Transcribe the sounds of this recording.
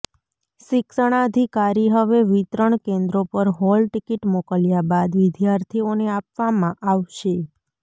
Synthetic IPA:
ʃɪkʃəɽ̃aəd̪ʱikaɾiɦəʋeʋit̪ɾəɳkẽnd̪ɾopəɾɦɔlʈikiʈmokəljabad̪ʋɪd̪jaɾt̪ʰioneapʋamãʔaʋʃe

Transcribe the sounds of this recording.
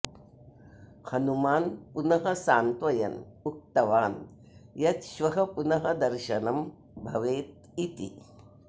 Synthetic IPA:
hɐnumaːnpunɐɦɐsaːnt̪ʋɐjɐ̰nuk̚t̪ɐʋaːn | jɐt̪ʃʋɐɦɐpunɐɦɐd̪ɐɾʃɐnɐm | bʱɐʋeːt̪̚ | it̪ḭ

